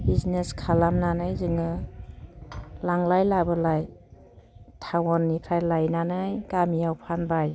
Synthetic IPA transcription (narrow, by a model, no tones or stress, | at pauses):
bizneskʰalamnanɯjzɯŋɯ | laŋlajlabɯlaj | tʰawɔnːikʰɾajlajnanɯjkamiawpʰanbaj